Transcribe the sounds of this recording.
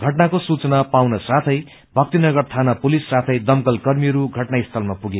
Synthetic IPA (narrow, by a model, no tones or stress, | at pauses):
ɡʱʌʈnakosut͡sʌnapawnʌsat̪ʰʌj | bʱʌk̚t̪inʌɡʌrt̪ʰanapulisːat̪ʰʌjd̪ʌmkʌlkʌrmiʌɾuɡʱʌʈnaist̪ʰʌlmapuɡe